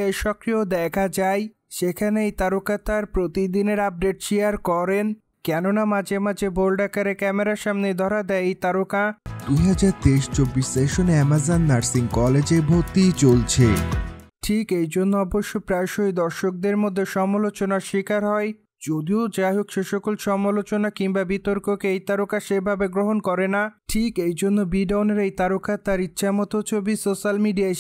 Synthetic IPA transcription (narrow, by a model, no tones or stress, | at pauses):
ejʃɔkɾiod̪ɛkʰad͡ʑaj | ʃekʰaneejt̪aɾokat̪aɾpɾot̪id̪ineɾab̚ɖeʈʃiaɾkɔɾen | kɛnonamad͡ʑemad͡ʑebolɖakaɾekɛmeɾaʃamned̪ʱɔɾad̪ɛt̪aɾokad̪uɦad͡ʑaɾt̪eʃt͡ɕobːiʃeʃonɛmazanːaɾsiŋkɔled͡ʑebʱoɾt̪it͡ɕolt͡ɕʰe | ʈʰikejd͡ʑonːoɔboʃːopɾaʃojd̪ɔɾʃok̚d̪eɾmod̪ʱːeʃɔmalot͡ɕonaɾʃikaɾɦɔe | d͡ʑod̪iod͡ʑaɦokʃeʃokolʃɔmalot͡ɕonakiŋbabit̪oɾkokeejt̪aɾokaʃebʱabeɡɾoɦonkɔɾenaʈʰikejd͡ʑonːobiɖawneɾejt̪aɾokat̪aɾitːɕʰamɔt̪ot͡ɕʰobisoʃalmiɖia